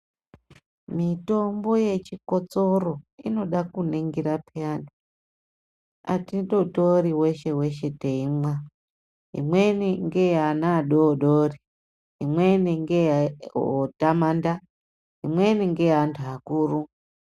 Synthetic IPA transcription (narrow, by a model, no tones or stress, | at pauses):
mito̞mbo̞je̞t͡ʃiko̞t͡so̞ro̞ino̞ɗakuneŋɡiɾapʰeantʰu | a̰tidotoriweʃewe̞ʃe̞teimwa | ḭmweniŋɡeanaɗoɗori | imweniŋɡe | otamanda | imweniŋɡeantʰuakuːru